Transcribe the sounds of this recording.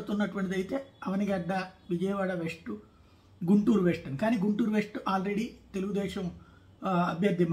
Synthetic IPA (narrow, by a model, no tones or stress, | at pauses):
ut̪unːɐʈuʋɐɳʈid̪ɐjit̪e̞ːɐʋɐniɡɐɖːɐʋid͡ʒɐjɐʋaːɽɐʋeʂʈu | ɡuɳʈuːɾuʋeːʂʈɐnikaːniːɡuɳʈuːɾuʋeʂʈuʔaːlɾe̞ɽit̪e̞luɡud̪ɛːʃɐm | ɐbʱjɐɾd̪ʱim